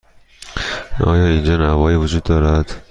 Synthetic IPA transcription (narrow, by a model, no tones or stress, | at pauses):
ʔɒ̰ːjɒːind͡ʒɒːnævɒːjiːvod͡ʒuːd̪ːɒːɾæd̪̥